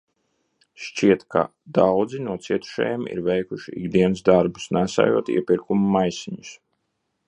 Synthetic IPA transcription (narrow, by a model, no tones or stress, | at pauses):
ʃt͡ʃiɛt̪kʰa̰ | d̪awd̪zinuɔt̪siɛt̪u̥ʃɛ̰jɛmḭɾvɛjkuʃiḭɡd̪iɛnsd̪aɾbusnæsa̰juɔt̪ḭɛpʲiɾkumumajsiɲus